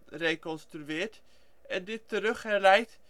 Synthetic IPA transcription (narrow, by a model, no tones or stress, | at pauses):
rekɔnstryɪːɹt | ɛndɪtːəɾɵχɛɹlɛjt